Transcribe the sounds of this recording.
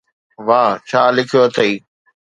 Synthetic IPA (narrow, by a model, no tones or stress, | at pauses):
ʋaːt͡ʃʰaːlɪkʰijoət̪ʰəiː